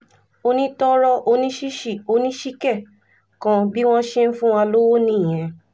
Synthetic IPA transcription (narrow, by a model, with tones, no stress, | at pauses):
o˧nĩ˦tɔ˦ɾɔ˧ʔo˧nĩ˦ʃi˦ʃi˦˨o˧˦nĩ˦ʃi˦kɛ˦˨ | kã˧bi˦w̃ɔ̃˦ʃe˦n̩˦fũ˦w̃ã˧lo˦wo˦nĩ˦˨j̃ɛ̃˨